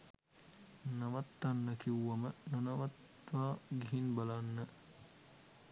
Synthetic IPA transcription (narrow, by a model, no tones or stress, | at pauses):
nɐʋat̪ːanːəkiwːɐmənɐnɐʋat̪ | ʋaːɡiɦinbalanːə